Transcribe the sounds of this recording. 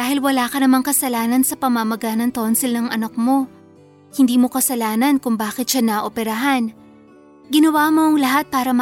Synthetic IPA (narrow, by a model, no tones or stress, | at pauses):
aːhɪlwɐlaːkɐnɐmaŋkɐsɐlaːnɐnsɐpɐmamɐɡaːnɐŋt̪o̞nsɪlnɐŋʔɐ̰nɐk̚mo̞ | hɪnd̪iːmo̞kɐsɐlaːnɐnkʊŋbaːkɪt̪̚ʃanɐʔopɛɾɐɦan | ɡɪnɐwamo̞ʔɐŋlɐɦat̪̚paːɾɐm